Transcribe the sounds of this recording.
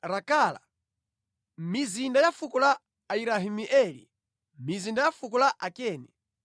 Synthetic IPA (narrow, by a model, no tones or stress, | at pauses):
ɾakala̰ | mizindajafukɔlaː | iɾaɦimiʔɛlḭ | mizindajafukɔlaʔakɛːnɛ